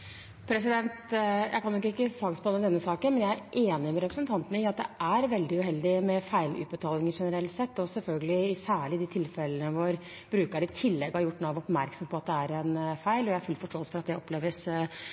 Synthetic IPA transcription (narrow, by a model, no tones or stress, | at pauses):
pʰɾɛsɪd̪ɛnt̪jæ̰ɪkɑnjɔkːəɪkːəsɑɡspʰɑnːəd̪ɛnːəsɑːkənmɛnjæɪæɾʔeːnɪmɛɾɛpɾəsənt̪ʰɑnt̪ənəɪɑt̪̚d̪ɛʔæɾʋɛld̪ɪʉɦɛld̪ɪmɛfæɪlʉ̰t̪̚bət̪ʰɑːlɪŋəʂɛnəɾɛlt̪sɛt̪ːɔsɛlfœlɡəlɪɪsæːɭɪd̪ɪt̪ʰɪlfɛlənəʋɔɾ | b̥ɾʉːkɑɾɪt̪ʰɪlːɛɡːhɑɾjʊʈːnɔʋɔpmæɾksɔmpʰɔɑt̪̚d̪ɛæɾɛnfæɪlɔjææɾfʉlfɔʂʈoːəlsə̥fɔɾɑt̪d̪ɛɔpleːʋəs